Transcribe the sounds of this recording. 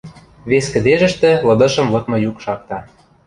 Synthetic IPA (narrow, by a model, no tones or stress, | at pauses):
βeskə̆d̪eʒə̆ʃt̪ĕlɤ̆d̪ɤ̆ʃɤ̆mlɤ̆kmɤ̆jukʃɑk̚t̪ɑ